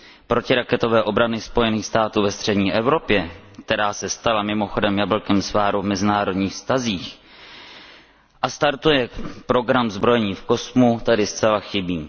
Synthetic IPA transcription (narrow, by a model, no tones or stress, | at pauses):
pɾo̞cɪɾakɛt̪o̞vɛːʔo̞bɾanɪspo̞jɛniːxst̪aːt̪uːvɛst̪r̝̥ɛdɲiːʔɛvɾo̞pjɛk̚t̪ɛɾaːsɛst̪alamɪmo̞xo̞dɛmjabl̩kɛmsvaːɾuvmɛzɪnaːɾo̞dɲiːxfst̪aziːx | ʔast̪aɾt̪ujɛpɾo̞ɡɾamzbɾo̞jɛɲiːfko̞smut̪adɪst͡sɛlaxɪbiː